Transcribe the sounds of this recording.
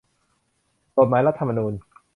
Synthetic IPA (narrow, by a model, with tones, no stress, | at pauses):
ko˨˩t̚maː˨˩˦jɾa˦˥t̪ʰːa˧ma˧nuː˧n